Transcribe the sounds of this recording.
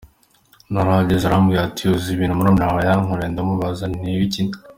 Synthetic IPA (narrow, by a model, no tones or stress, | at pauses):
naɾaɟezaɾamɡiːɾatʰioziβiːnumunomnaβajaŋoɾeːndamuβazaniβicin